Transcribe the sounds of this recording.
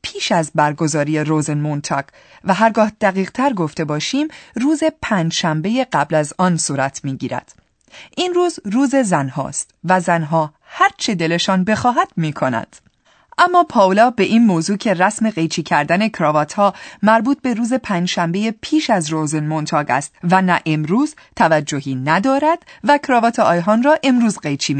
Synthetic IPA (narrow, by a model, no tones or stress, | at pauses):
pʰiːʃæzbæɾɡo̞zɒːɾije̞ɾoːzenmont̪ʰɒːɡ | væɦæɾɡɒːhd̪̥æɣiːɣt̪ʰæɾɡo̞ft̪e̞bɒːʃiːmruːze̞pʰæːnd͡ʒʃæmbe̞jeɢæblæzɒːnsuːɾæt̪ʰmiːɟiːɾæ̰d̪̥ | ʔinruːzruːze̞zænhɒ̰ːst̪væzænɦɒː | hæɾt͡ʃʰe̞d̪e̞le̞ʃɒːnbe̞xɒːɦæd̪̥̚miːkʰo̞næ̰d̪̥ | ʔæmːɒːpʰɒːlɒːbe̞ʔiːnmoːzuːcʰe̞ræsme̞ɣe̞jt͡ʃʰiːcʰæɾd̪æne̞kʰɾɒːvɒːt̪ʰhɒːmæɾbuːt̪̚be̞ɾuːze̞pʰæːnd͡ʒʃæmbe̞je̞pʰiːʃæzroːzenmont̪ʰɒːɡæ̰ːst̪vænæʔe̞mɾuːz̥t̪ʰævæd͡ʒːohiːnæd̪ɒːɾæd̪̥vækʰɾɒːvɒːt̪ʰeɒːjɦɒnrɒːʔe̞mɾuːzɢejt͡ʃʰiːm